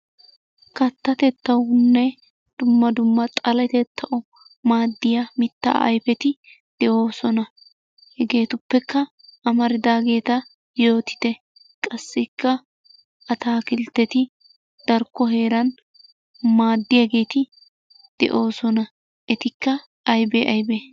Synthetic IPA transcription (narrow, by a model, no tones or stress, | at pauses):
kɐt̪ːɐt̪ɛt̪ːɐwnːɛ | d̪̥ʊmːɐd̪ʊmːɐt̪ʼɐlɛt̪ɛt̪ʰːɐʔɔ | maːd̪ːɪjɐmɪt̪ːa̰ɐ̰jfɛt̪ɪ | d̪̥ɛʔo̞ːsɔnɐ | hɛɡe̞ːt̪ʊpːɛkːɐ | ɐmɐɾɪd̪aːɡe̞ːt̪ɐ | jo̞ːt̪ɪ̥t̪ɛ | kʼɐsːɪkːɐ | ʔɐt̪aːkɪlt̪ːɛt̪ɪ | d̪̥ɐɾkːɔɦe̞ːɾɐn | maːd̪ːɪjɐɡe̞ːt̪ɪ | d̪̥ɛ̰ʔo̞ːsɔnɐ | ʔɛt̪ɪkːɐ | ɐjbeʔɐjbe